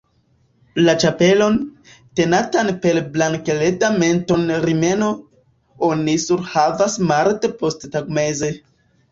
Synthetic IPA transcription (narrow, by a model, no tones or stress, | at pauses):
lat͡ʃape̞lo̞n | te̞natanpe̞lblaŋkele̞dame̞nto̞nɾime̞no̞ | onisuɾhavasmaɾtepo̞sttaɡmeze